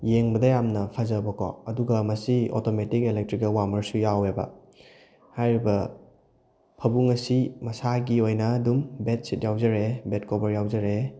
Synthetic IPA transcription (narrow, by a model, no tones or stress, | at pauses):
jeŋbɐdɐjamnɐpʰɐzɐbɐkʰɔ̰ɐduɡɐmɐsio̰tometikelek̚tɾikɐlwamɐɾsujawebɐ̰ | hajɾibɐ | pʰɐbuŋɐsimɐsaɡiojnɐːdumbet̚sit̚jawzɐɾebetkobɐɾjawzɐɾe